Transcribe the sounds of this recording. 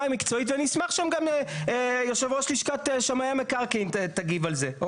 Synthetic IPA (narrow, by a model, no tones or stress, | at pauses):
mikt͡so̞it̪veanismaχʃamɡamejaχʃevʁoʃliʃkat̪eʃamajamekaʁkint̪aɡivalze̞